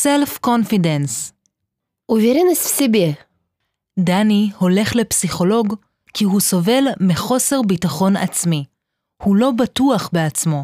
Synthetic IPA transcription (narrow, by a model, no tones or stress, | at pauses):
selfkonfidens | uviɾinasfsibe | daniho̞le̞χle̞psiχo̞lo̞ɡ | kiɦuso̞ve̞lmeχo̞se̞ʁbitaχo̞na̰t͡smi | hulo̞batuaχbeat͡smo̞